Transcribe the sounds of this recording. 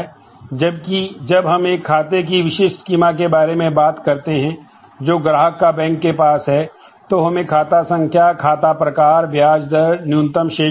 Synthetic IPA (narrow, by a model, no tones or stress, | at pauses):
d͡ʒɐb̚kid͡ʒɐbɦɐmeːkʰːaːt̪ek̬iʋɪʃɪʃskiːmak̬ebaːɾemẽbaːt̪kɐɾt̪eɦɛ̃ | d͡ʒoːɡɾaːɦəkːabɛ̃ːŋkːepaːsɦɛ | t̪oɦɐmẽkʰaːt̪asɐ̃ŋɡkjaːkʰaːt̪apɾɐkaːɾbjaːd͡ʒd̪əɾnjũːnt̪əmʃeː